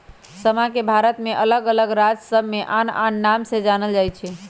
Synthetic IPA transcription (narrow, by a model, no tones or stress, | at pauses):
səmãkebʱaɾət̪meʔələɡələɡɾad͡ʒsəbʱmeʔana̰nːamsed͡ʒanəld͡ʒajt͡ʃʰɛ